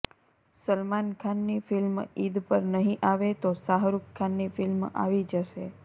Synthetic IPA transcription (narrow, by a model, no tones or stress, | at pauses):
səlmankʰanːifɪlmid̪pəɾnəɦĩʔaʋet̪osaɦɾukkʰːanːifɪlma̰ʋid͡ʒəʃe